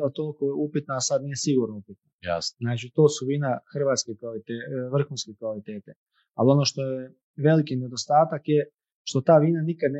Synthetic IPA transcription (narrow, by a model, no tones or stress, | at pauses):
at̪olˠkojeupit̪naːsad̪nijesiɡuɾnoupit̪̚naja̰snaːt͡ʃit̪o̞ːsuʋiːnaxr̩ʋaːt̪skekʋalit̪eʋr̩xuːnskekʋalit̪eːt̪e | alio̞noʃt̪oje | ʋe̞likined̪ost̪aːt̪akje | ʃt̪o̞t̪aːʋiːnanikad̪n